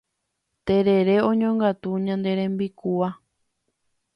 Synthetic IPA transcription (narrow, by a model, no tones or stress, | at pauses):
t̪eɾe̞ɾeõɲõŋɡat̪uɲãnd̪e̞ɾẽmbikua